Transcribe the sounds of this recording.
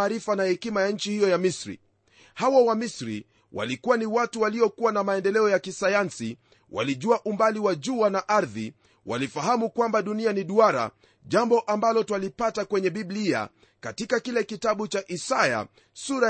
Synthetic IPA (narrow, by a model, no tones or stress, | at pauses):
ɾifanahɛkimajaɲ̩t͡ʃihijɔjamisɾḭ | hawawamisɾḭ | wʔa̰likuwaniwatuwaliɔkuwanamaɛndɛlɛɔjakisajansi | wʔa̰liʄuaʔumbaliwaʄuanaʔaɾði | wa̰lifaɦamukwambaɗunianiɗuaɾa̰ | ʄambɔʔambalɔtwalipatakwɛɲɛɓiblia̰ | katikakilɛkitaɓut͡ʃaʔisaja̰ | suɾa